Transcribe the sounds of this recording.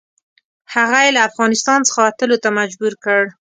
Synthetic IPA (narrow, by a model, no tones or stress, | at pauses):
haɣajelaːfɣɑnɪst̪ɑnt͡sə̥xawat̪əlot̪amad͡ʒbuɾkəɽ